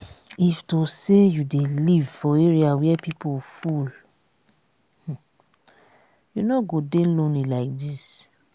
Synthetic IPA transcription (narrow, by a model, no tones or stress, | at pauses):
iftosejudelivfɔeɹiawɛpipoful | h̩ | junɔɡodelõnlilaɪk̚dis